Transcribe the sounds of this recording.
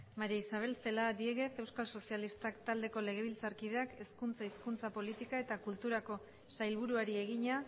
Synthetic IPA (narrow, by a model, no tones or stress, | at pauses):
maɾiisaβe̞lse̞lad̪ie̞ɣe̞θe̞wskalso̞sialist̪akt̪ald̪e̞ko̞le̞ɣ̞e̞βilt͡saɾkið̞e̞ake̞skunt͡saiskunt͡sapo̞lit̪ikae̞t̪akult̪uɾako̞ | sajlβuɾuaɾie̞ɣ̞iɲa